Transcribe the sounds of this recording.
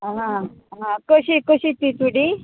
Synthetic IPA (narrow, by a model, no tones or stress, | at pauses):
ɦãɦãkəɕikəɕit̪it͡suɽi